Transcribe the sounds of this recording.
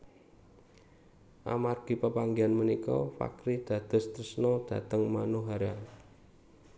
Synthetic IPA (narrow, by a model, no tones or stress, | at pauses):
ʔa̰marɡ̥i̤pəpaŋɡianmənikɔ̰fa̰kɾid̪̥ä̤d̪̥ɔ̤st̪rəsnɔd̪̥a̤t̪əŋmanuɦaɾa